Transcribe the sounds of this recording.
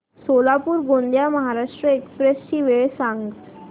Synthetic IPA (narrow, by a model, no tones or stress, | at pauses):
solapuːɾɡond̪jaməɦaɾaʂʈɾəekspɾesɕiːʋeɭsãŋɡt̪